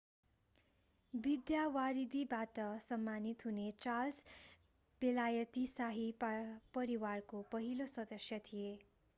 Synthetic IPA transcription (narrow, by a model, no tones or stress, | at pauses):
bid̪jawaɾid̪ibaʈʌsʌmːanit̪ɦunet͡sals | b̥elajʌt̪isaɦipʌɾiwarkopʌɦilosʌd̪ʌsjʌt̪ʰije